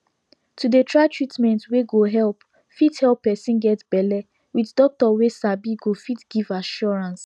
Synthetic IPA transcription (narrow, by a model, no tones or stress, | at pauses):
tʰudətʰɹatʰɹitmɛ̃ntweɡoɦɛlˠp | fithɛlˠpːɛsĩnɡɛtb̥ɛlɛ | witdɔk̚tɔwesabiɡofitɡ̥ivaʃɔɹãns